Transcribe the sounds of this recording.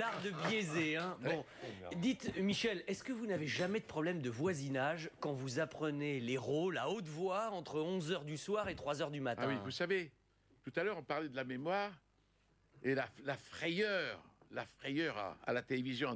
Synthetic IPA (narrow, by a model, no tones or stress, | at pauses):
laʁd̪əbjezeɛ̃bɔ̃d̪it̪miʃɛlɛskəvunaveʒamɛd̪əpχɔblɛmd̪əvwazinaʒkɑ̃vuzapχəneleʁolaot̪vwaɑ̃t̪χəɔ̃zœʁd̪yswaʁet̪χwazœʁd̪ymat̪wĩvusave | t̪ut̪alœʁɔ̃paʁlɛd̪əlamemwaːʁ | elalafχejœʁlafχejœʁa̰a̰lat̪elevizjɔ̃